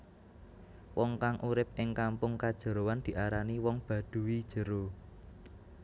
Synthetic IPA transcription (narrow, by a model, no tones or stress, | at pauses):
wɔŋkaŋʔuɾɪp̚ɪŋkampʊŋkad̥ʒ̥ə̤ɾowand̪̥i̤ʔaɾaniwɔŋb̥ä̤d̪̥ṳwid̥ʒ̥ə̤ɾo